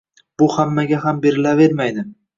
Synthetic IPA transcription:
b̥ʊhamːaɡʲaɦambe̞ɾɪlave̞ɾmajd̪ɪ

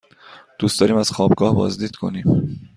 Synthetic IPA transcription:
d̪̥uːst̪ɒːɾiːmæz̥xɒːbɡɒːhbɒ̰ːzd̪iːd̪̥kʰo̞̰niːm

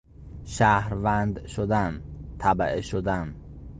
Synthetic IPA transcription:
ʃæhɾvænd̪ʃod̪ænt̪ʰæbæʔeʃod̪æn

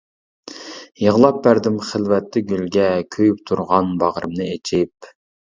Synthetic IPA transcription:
jəʁlˠɑp̚bæɾd̪ɪmχəlˠvɛt̪ːɪɡʲylɡʲɛkʲʰøjypt̪ʰuɾʁɑnbɑʁɾɨmnɨet͡ʃʰɪp̚

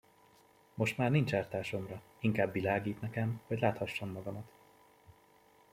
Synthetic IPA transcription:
mo̞ʃt̪maːrnint͡ʃaːrt̪aːʃo̞mrɒ | iŋkaːbːilaːɡiːt̪nɛkɛmhɒɟlaːt̪hɒʃːomːɒɡɒmɒt̪

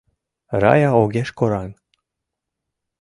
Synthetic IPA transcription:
ɾɑ̰jɑoɣeʃkoɾɑn

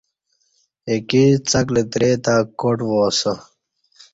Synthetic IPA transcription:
ekit͡sɐklet̪ɾeːt̪akoʈwoːso

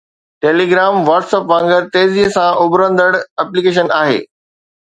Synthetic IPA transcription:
ʈeːliɡɾaːmʋaːʈsəpʋãːŋɡəɾt̪eːziɦsãʔʊbɾə̃nd̪əɽɐplikeːʃ̬ənaːɦḛː

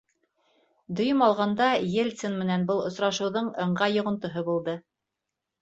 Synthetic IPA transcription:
d̪ŏjɤmɑlˠʁɑnd̪ɑjelʲt̪sonmɘ̆nænbɤlˠŏsɾɑʃɤ̆wðɤɴɤ̆ɴɢɑjŏʁŏnt̪ŏɦɤbulˠd̪ɤ

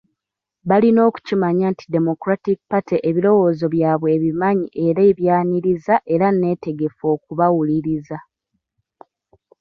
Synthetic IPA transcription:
βalino̞ːku̥cimaɲaːnti̥de̞mo̞kuɾatik̚pateʔeβilo̞wo̞ːzo̞βjaːβwe̞ːβimaɲiʔe̞ɾe̞ːβjaːniɾizaʔe̞ɾane̞ːte̞ɡe̞fo̞ːk̚uβawuliɾiza

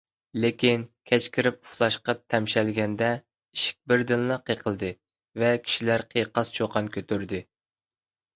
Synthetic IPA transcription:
lekʲinkʲʰɛt͡ʃkʲʰɪɾɪp̚uχlˠɑʃqɑt̪ʰɛmʃɛlɡʲɛnd̪ɛ | iʃi̥k̚ʲbɪɾd̪ɨnlɨqʰeqʰəlˠd̪ɨ | vɛkʲʰi̥ʃilæɾqʰejqɑst͡ʃʰoqʰɑnkʲʰøt̪ʰyɾd̪ɪ

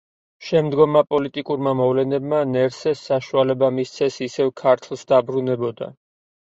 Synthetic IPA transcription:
ʃɛmd̪ɡɔmːapʼɔlit̪ʼikʼuɾmamɔvlɛnɛbmanɛɾsɛsːaʃualɛbamist̪sʰɛsisɛvkʰaɾt̪ʰlˠsd̪abɾunɛbɔd̪a̰

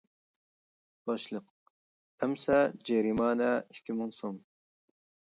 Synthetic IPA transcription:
b̥ɑʃlˠəq | hɛmsɛd͡ʒɛɾimɑːnɛikʲʰimɨŋson

